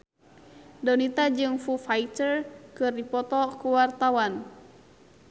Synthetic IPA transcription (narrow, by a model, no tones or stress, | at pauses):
dɔnit̪ad͡ʒɨŋfufait̪ərkɨrdipɔt̪ɔkuwart̪awan